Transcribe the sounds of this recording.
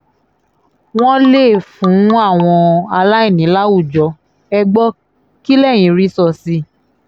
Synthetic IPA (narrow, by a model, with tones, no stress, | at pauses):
w̃ɔ̃˦le˦˨fũ˨˦a˦˨w̃ɔ̃˧a˧la˦i˦˨nĩ˨˦la˦u˦˨d͡ʒɔ˧˦ | ɛ˧ɡ͡bɔ˦ | ki˦lɛ˦˨j̃ĩ˨˧˦ɾi˦sɔ˧si˧˦